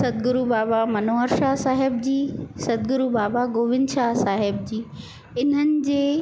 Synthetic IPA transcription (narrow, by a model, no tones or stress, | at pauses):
sɐd̪̚ɡʊɾubaːbamɐnoːɦəɾʃaːsaːɦɪb̚d͡ʑiːsɐd̪ɡʊɾubaːbaɡoːʋɪ̃nd̪ʃaːsaːɦɪb̚d͡ʑiː | ɪn̤ənɪ̆d͡ʑeː